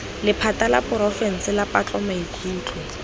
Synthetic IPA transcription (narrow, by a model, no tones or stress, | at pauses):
lɪpʰatalapʼʊɾɔfɛn̩sɪlapʼat͡ɬʼɔmaikʰʼuːt͡ɬʼɔ